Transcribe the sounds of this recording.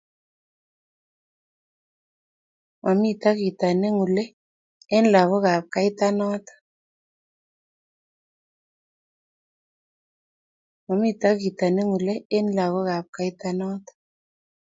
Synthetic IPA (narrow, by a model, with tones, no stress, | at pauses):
mʔa˨mi˦t̪a˦ki˨t̪a˨ne˦ŋu˨lɛ˦ | e˦n˦la˨ɣo˦ka˨p̚ka˦i˦t̪a˦nɔ˦t̪ḁ˨ | ma˨mi˦t̪a˦ki˨t̪a˨ne˦ŋu˨le˦e˦nla˨ɣo˦ka˨p̚ka˦i˦ta˦nɔ˦t̪ḁ